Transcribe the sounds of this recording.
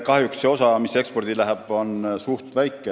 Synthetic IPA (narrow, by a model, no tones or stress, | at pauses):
kɑhjuksseo̞sɑmise̞kspo̞rd̪̥ilæɦæb̥o̞nsuht̪ˑvæjkːˑe